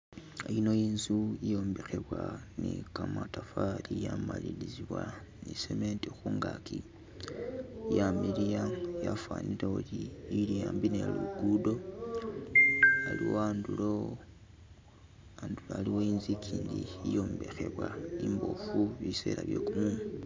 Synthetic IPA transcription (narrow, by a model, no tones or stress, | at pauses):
aino̞jiːnzuijo̞ːmbe̞xe̞βwanikamatafalijamaliliziβwa | niseme̞ntixuːŋɡakʰi | jamilijajafwaniɾeoliilijaːmbine̞lṵɡudo̞ | aliwoaːndulo | anduloaliwoiːnzikʰiːndiijo̞ːmbexe̞βwaimbo̞fuβise̞̰laβjokumum